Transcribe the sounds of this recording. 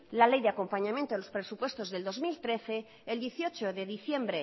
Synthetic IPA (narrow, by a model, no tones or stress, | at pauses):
lale̞jðeako̞mpaɲãmjẽnt̪oelospɾe̞supwe̞st̪o̞zðe̞ld̪o̞zmilt̪ɾe̞θe̞ː | ld̪jeθio̞t͡ʃoðe̞ðiθje̞mbɾe̞